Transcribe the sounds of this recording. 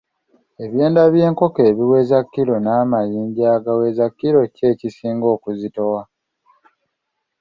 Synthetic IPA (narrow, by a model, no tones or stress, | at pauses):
e̞βje̞ːndaβje̞ːŋko̞ke̞ːβiwe̞ːzakːiɾo̞naːmajiːɲɟaːɡawe̞ːzakːiɾo̞ce̞ːcisiːŋɡo̞ːkuzito̞wa